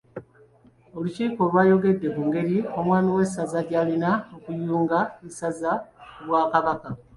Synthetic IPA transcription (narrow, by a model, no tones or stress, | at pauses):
o̞luciːko̞lwaːjo̞ɡe̞dːe̞kuŋɡe̞ɾio̞mwaːmiwe̞sazaɟaːlinaokujuːŋɡaesazaβwaːkaβaka